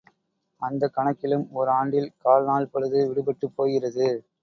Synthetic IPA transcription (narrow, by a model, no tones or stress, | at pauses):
ɐnd̪ɐkːɐɳɐkːɪlɯmɔɾɯaːɳɖɪlkaːlnaːɭpɐɽɯðɯʋɪɽɯbɐʈːɯpːoːjɣɪrɐðɯ